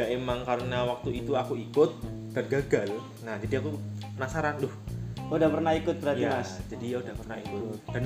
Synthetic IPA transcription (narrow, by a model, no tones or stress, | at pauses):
aemaŋkaɾənawak̚t̪uit̪uakuikʊt̪̚ː | ərɡaɡal | nahd͡ʒadiakupənasaɾandʊhudahpərnaikʊt̪̚bəɾatjiamasd͡ʒadijaudahpərnaikʊt̪d̥an